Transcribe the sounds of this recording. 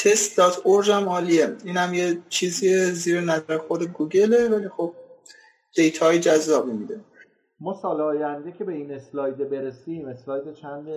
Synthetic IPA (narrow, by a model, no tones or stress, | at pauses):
t̪ʰe̞st̪̚d̪ɒːt̪ʰoɾd͡ʒæmɒːlieiːnhæmjet͡ʃʰiːzieziːɾenæzæɾexod̪e̞ɡuːɡe̞le̞væliːxob̥̚ | d̪̥e̞jt̪ʰɒːjid͡ʒæzːɒːbimid̪e̞ | mɒːsɒːleɒːjænd̪ecʰe̞be̞ineslɒːjd̪ebeɾesiːmeslɒːjd̪et͡ʃʰænd̪e